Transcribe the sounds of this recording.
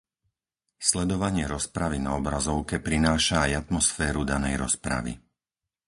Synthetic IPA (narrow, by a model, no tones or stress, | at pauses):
slɛd̪ɔʋaɲɪɛɾɔspɾaʋina̰ɔbɾazɔʊkɛpɾinaːʃaːjat̪mɔsfɛːɾud̪anɛjɾɔ̰spɾa̰ʋḭ